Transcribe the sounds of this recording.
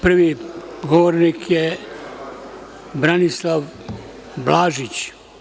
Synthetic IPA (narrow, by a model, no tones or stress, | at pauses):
pr̩ʋi | ɡoʋoɾnikʰje | bɾanislˠaʋ | blaːʒit͡ɕ